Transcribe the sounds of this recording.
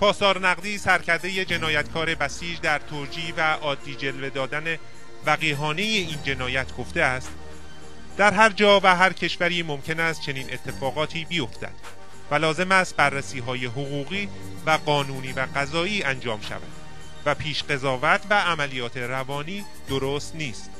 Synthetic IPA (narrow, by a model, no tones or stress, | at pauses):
pʰɒːsɒːɾnæɣd̪iːsæɾcʰæɾd̪e̞je̞d͡ʒe̞nɒːjæt̪kʰɒːɾe̞bæsiːd͡ʒd̪æɾt̪ʰoɾd͡ʒiːvæʔɒːd̪ːiːd͡ʒe̞lve̞d̪ɒːd̪æne | væɣiːɦɒːne̞jeiːnd͡ʒe̞nɒːjæt̪ʰɡ̥o̞ft̪eæst̪ | d̪æɾɦæɾd͡ʒɒːvæɦæɾcʰe̞ʃvæɾiːmo̞mcʰe̞næst̪̚t͡ʃʰe̞niːnʔe̞t̪ʰːe̞fɒːɣɒːt̪ʰiːbijo̞ft̪æ̰d̪̥ | vælɒːze̞mæst̪̚bærːæsiːɦɒːje̞ɦoɣuːɣiː | væɢɒːnuːniːvæɡæzɒːiːænd͡ʒɒːmʃæ̰væ̰d̪̥ | væpʰiːʃɢe̞zɒːvæt̪ʰvæːmælijɒːt̪ʰe̞ɾævɒːniː | d̪̥o̞ɾoːst̪niːst̪